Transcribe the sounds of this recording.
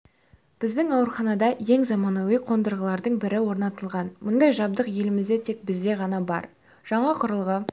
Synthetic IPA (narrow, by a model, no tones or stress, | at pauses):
b̥ɪzd̪ɪŋɑwəɾχɑnɑd̪ɑje̞ŋzɑmɑnowiqʰo̞nd̪əɾʁəlˠɑɾd̪əɴbɪɾɪwo̞ɾnɑt̪əlˠʁɑnmʊnd̪ɑjʒɑbd̪əqje̞lɪmɪzd̪et̪ʰe̞k̚bɪzd̪e̞ʁɑnɑbɑ̰ɾ | ʒ̥ɑɴɑqʰʊɾəlˠʁə